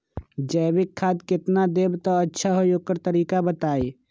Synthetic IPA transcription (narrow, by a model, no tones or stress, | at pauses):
d͡ʒɛːbɪkʰːaːd̪kɪt̪nad̪eːbt̪oɐtːʃʰaɦojoːkəɾt̪əɾiːkabət̪aːeː